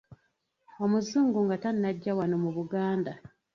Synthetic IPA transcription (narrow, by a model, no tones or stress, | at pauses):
o̞muzːuːŋɡuŋɡatannaɟːawano̞muβuɡaːnda